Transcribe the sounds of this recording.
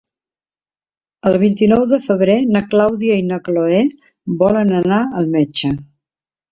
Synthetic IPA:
əlˠβint̪inɔwðəfəβɾenəklawðiəinəkloe | βɔlənənaəlˠmɛt͡ʃə

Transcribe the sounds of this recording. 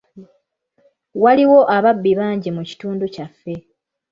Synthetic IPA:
waliwo̞ʔaβabːiβaːɲɟimuci̥tuːnducafːe̞

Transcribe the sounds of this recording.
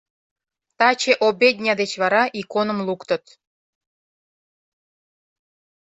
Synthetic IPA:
t̪ɑt͡ɕeʔobʲed̪ʲnʲɑd̪et͡ɕβɑɾɑʔikonə̆mlˠukt̪ɤ̆t̪

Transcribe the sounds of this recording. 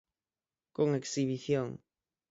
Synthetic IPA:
koŋeksiβiθjoŋ

